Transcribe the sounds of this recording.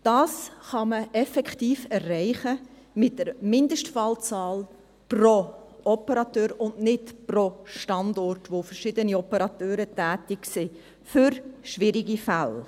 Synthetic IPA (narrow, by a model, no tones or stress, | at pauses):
d̥ɑːsχɑməɛfɛkχtiːfɛrːɛɪχə | mɪt̚d̥əɾmɪndəʃtfɑːlt͡sɑːl | pro | ɔpəɾɑtøːɾʊndnɪtproʃtɑndɔrtʋofəɾʃɪdəniɔpəɾɑtøːɾətæːtɪksɪ | fʏɾʃʋɪɾiɡifæl